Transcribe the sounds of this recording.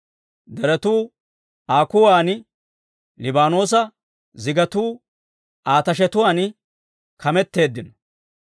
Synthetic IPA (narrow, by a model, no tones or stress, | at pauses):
d̪ɛɾɛt̪uː | aːkʊwaːn | lɪbaːno̞ːs̬ɐ | zɪɡɐt̪uː | aːt̪ɐʃ̬ɛt̪ʊwaːn | kʰɐmɛt̪ːe̞ːd̪ːɪnɐ̥